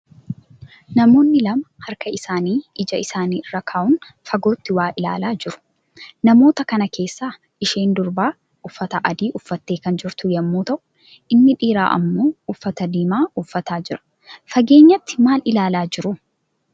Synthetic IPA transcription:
nɐmo̞ːnːɪlɐmɐhɐɾkɐɪsaːniːɪd͡ʒɐɪsaːniːɪrːɐkʰaːʔʊn | fɐɡo̞ːt̪ːɪwaːʔɪla̰ːlaːd͡ʒɪɾʊ̥ | nɐmo̞ːt̪ɐkɐnɐkʰe̞ːsːaː | ɪʃe̞ːnd̪ʊɾbaː | ʊfːɐt̪ɐʔɐd̪iːʔʊfːɐt̪ːe̞ːkɐnd͡ʒɪɾt̪ʊjɐmːuːt̪ɐʔʊ̥ | ʔɪnːɪᶑiːɾa̰ːʔɐ̰mːo̞ːʊfːɐt̪ɐd̪iːmaːʊfːɐt̪aːd͡ʒɪɾɐ̥ | fɐɡe̞ːɲːɐt̪ːɪ̥maːlɪlaːlaːd͡ʒɪɾʊ

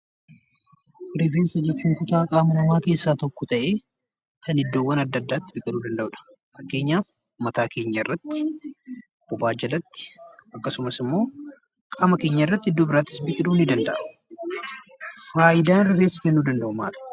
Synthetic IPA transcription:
ʔʊɾɪfeːnsɐd͡ʒɛt͡ʃːuːŋkʊt̪aːkʼaːmɐnɐmaːke̞ːsːaːt̪ɔkːɔt̪ɐʔe̞ː | kɐnɪd̪ːo̞ːwːɐnɐd̪ːɐd̪ːaːt̪ːɪbɪkʼɪᶑuːd̪ɐnd̪ɐʔʊᶑɐ̥ | fɐkːe̞ːɲːaːf | mɐt̪aːke̞ːɲːɐɪrːɐt̪ːɪ̥ | ɔb̥ɔbaːd͡ʒɪlɐt̪ːɪ̥ɐkːɐsʊmɐsɪmːo̞ː | kʼaːmɐke̞ːɲːɐɪrːɐt̪ːɪɪd̪ːo̞ːbɪɾaːt̪ːɪ̥sbɪkʼɪᶑuːnɪd̪ɐnd̪ɐʔ | faːʔɪd̪aːnɾɐfeːsːɐ̥kɛnːuːd̪ɐnd̪ɐʔʊmaːᶑɐ̥

